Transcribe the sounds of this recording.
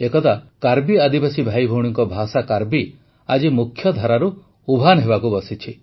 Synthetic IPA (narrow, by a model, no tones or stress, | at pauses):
ekɔt̪akaɾbiad̪ibasibʱajbʱɔwɽ̃iŋkɔbʱasakaɾbi | ad͡ʒimukʰːjɔd̪ʱaɾaɾu | ubʱanɔɦeβakubɔsit͡ʃʰi